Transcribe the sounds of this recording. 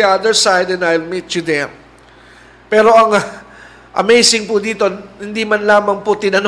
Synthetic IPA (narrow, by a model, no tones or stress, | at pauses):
iɐd̪əɹsajd̪ɛ̃najlmit̪t͡ʃʊd̪ɛm | pɛːɾo̞ʔɐŋ | ʔɐ̰mejsɪŋpʊd̪iːt̪o̞hɪnd̪imɐnlaːmɐŋpʊt̪ɪnɐn